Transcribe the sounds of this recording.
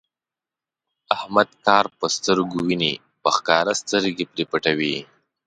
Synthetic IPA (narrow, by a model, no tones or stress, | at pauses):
ahmad̪̚kɑɾpəst̪əɾɡuwini | pəxkɑɾast̪əɾɡepɾipəʈawi